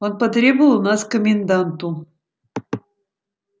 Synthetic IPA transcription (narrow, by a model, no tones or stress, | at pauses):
onpət̪ɾʲeblˠunɑskomʲend̪ɑnt̪u